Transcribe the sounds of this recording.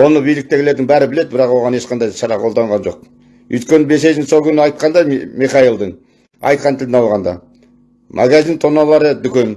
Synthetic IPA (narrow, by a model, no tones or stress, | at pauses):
wo̞nəbijlɪk̚t̪e̞ɡɪle̞ɾd̪ɪŋbæɾɪbɪle̞d̪ɪbɪɾɑqwo̞ʁɑne̞ʃqɑnd̪ɑjʃɑɾɑqʰo̞lˠd̪ɑɴʁɑnʒo̞̰q̚ | ʏ̰jt̪kʲe̞nɪbe̞se̞ʒɪnso̞lˠkʲʏnɪɑjt̪̚qɑnd̪ɑmiχɑilˠd̪əɴ | ɑ̰jt̪̚qɑnt̪ʰɪld̪ɪnɑlˠʁɑnd̪ɑ̰ | mʔa̰ɡazint̪ʰonɑlˠɑɾəd̪ʏkʲe̞n